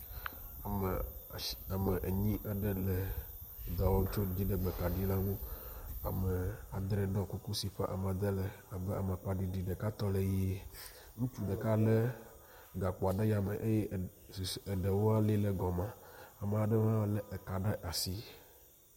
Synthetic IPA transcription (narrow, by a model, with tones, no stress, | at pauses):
a˨me˨ʔɲĩ˦ʔɛ˦ɖe˦lɛ˨d̪a˨wo˦t͡ʃo˦d͡ʑi˦ɖe˦ɡ͡bɛ˨ka˨ɖi˦la˦nũ˦a̰˨me˨a˨d̪ɾɛ˨ɖɔ̃˦ku˦ku˦si˨ɸɛ˦ʔa˨m˨a˨d̪e˦lɛ˨ | a˨bɛ˦a˨ma˨k͡pa˨ɖi˨ɖi˨ɖe˨ka˦t̪ɔ˦le˨ji˦ | ŋũ˦t͡ʃu˦ɖɛ˨ka˦le˦ | ɡa˨k͡pɔ˨a˨ɖe˦ja˨me˨ʔe˦je˦ | su˨se˨ɖe˨wo˦a˦le˦lɛ˨ɡɔ˨mã˦a˨me˨a˨ɖɛ˦mã˦lɛ˦˨ka˨ɖe˦ʔa˨si˦